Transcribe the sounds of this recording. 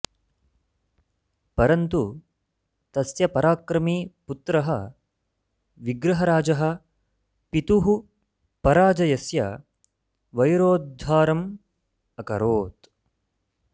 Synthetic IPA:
pɐɾɐnt̪u | t̪ɐsjɐpɐɾaːkɾɐmiːput̪ɾɐɦɐ | ʋiɡɾɐɦɐɾaːd͡ʒɐɦɐ̆ | pit̪uɦu | pɐɾaːd͡ʒɐjɐsjɐ | ʋɐjɾoːd̪ʱaːɾɐm | ɐkɐ̰ɾoːt̪

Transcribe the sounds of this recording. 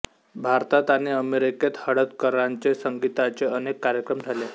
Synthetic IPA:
bʱaɾt̪at̪aɽ̃iəmeɾiket̪həɽət̪kəɾaɲt͡sesəŋɡit̪at͡seənekːaɾjəkɾəmd͡zʱale

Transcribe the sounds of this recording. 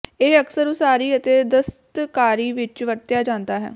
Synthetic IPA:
eːəksəɾoːsaːɾiːət̪eːd̪əst̪kaːɾiːʋɪt͡ʃʋəʈt̪jaːd͡ʒãːnd̪aːɦɛ̰ː

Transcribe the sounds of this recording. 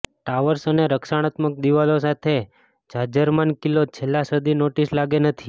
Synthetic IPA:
ʈaʋəɾsəneɾəkʃaɽ̃at̪mək̚d̪iʋalos̬at̪ʰe | d͡ʒad͡ʒəɾmankilot͡ʃʰelːasəd̪ʱinoʈislaɡenət̪ʰi

